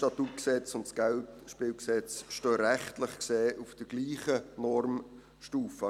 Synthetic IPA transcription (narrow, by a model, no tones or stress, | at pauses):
tɑt̪ut̚ksɛt͡sʊntsɡ̥æltʃpɪːlksɛt͡sʃtøːɾæχtlɪχkseːʔufd̥əɡ̥liːχənɔɾm | ʃtuːfə